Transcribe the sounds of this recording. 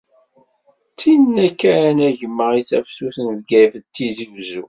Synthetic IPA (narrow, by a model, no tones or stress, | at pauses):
t͡sːinnækːæɾnæʝəmːəʁiθæfsuθənvɡæjfət̪ːiziwzṵ